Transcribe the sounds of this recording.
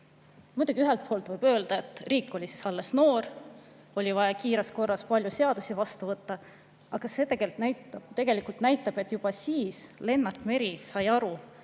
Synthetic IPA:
mujd̪̥uɡ̥ʲiyɦe̞lt̪̚pʰo̞ːlt̪vɤjb̥øːld̪̥ɑe̞t̪ːˑriːkːˑo̞lʲisi̥sɑlːe̞sno̞ːɾ | o̞lʲivɑjɑkiːɾesko̞rːɑspɑlʲjuse̞ɑd̪̥usivɑst̪uvɤt̪ˑːɑ | ʔɑɡ̥ɑse̞t̪e̞ɡ̥elnæjt̪ɑt̪e̞ɡ̥e̞likult̪næjt̪ːˑɑb̥e̞t̪ːˑjub̥ɑsiːsle̞nːɑrt̪ˑme̞ɾisɑjɑɾu

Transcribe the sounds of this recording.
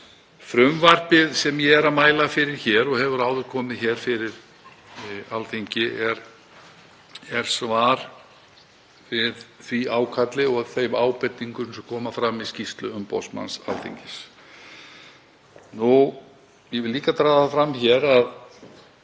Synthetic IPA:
fɾʏmvar̥pɪðsɛmjɛɛɾamaːjlafɪɾɪɾ̥çɛːɾɔɣɦɛvʏɾaːwðʏɾ̥kʰɔːmɪðçɛɾ̥fɪɾɪɾ̥ | alθiɲcɪʔɛɾ | ɛɾ̥svaːɾ̥ | vɪðθviaːwkʰat̪lɪɔɣθejmaːwpɛt̪ːiŋkʏsɛmkʰɔːmafɾamːiscist̪lʏʏmpɔ̰sma̰nsa̰lθḭɲcɪs | nu | jɛvɪlliːkat̪ɾaːðafɾamːçɛɾað

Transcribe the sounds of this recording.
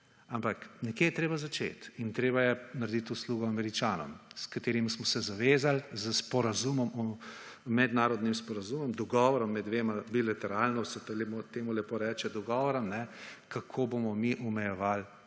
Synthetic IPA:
ampaknɛkjejɛt̪ɾeːbazat͡ʃḛt̪int̪ɾeːbajɛnaɾd̪it̪usluɡɔamɛɾit͡ʃaːnɔ̰mskat̪eːɾimismɔsɛzaʋeːzalzəspɔɾazumɔmɔ | mɛd̪naːɾɔd̪nimspɔɾazumɔmd̪ɔɡɔʋɔɾɔmːɛd̪ʋeːmabilat̪ɛɾaːlnɔsɛt̪lɛmot̪eːmulɛpoɾɛːt͡ʃɛd̪ɔɡɔʋɔɾɔmnɛkakʰoːbomɔmiʔɔmɛjɛʋal

